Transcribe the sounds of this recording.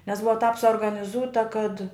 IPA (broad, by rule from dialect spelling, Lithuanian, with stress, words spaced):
nʲɛs ˈbʊʋɐ tɑːp suɔrɡɐnʲɪˈzuːtɐ kɐt